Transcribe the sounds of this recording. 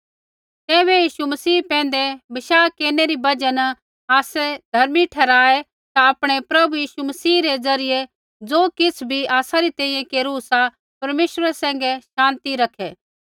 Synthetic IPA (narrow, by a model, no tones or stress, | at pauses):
t̪ɛːβɛjiːʃumɐsiːpɛ̃ːn̆d̪ebɐʃaːkeːneɾibɐd͡ʒən | aːsed̪ʱɐɾmiʈʰɛːɾaːe | t̪aɐpɽ̃epɾɐbujiːʃumɐsiːɾed͡zɐɾɪje | d͡zoːkɪt͡sʰbʱiaːsaɾit̪ɛ̃ːĩjɛ̃keːɾusa | pɐɾmeːʃɾasɛ̃ːŋɡɛʃãːnt̪iɾɐkʰeː